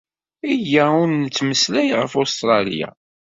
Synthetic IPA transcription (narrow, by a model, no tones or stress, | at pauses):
ijæʊɾnːət͡sːməslæjʁəfost̪ɾˤɑlḭja̰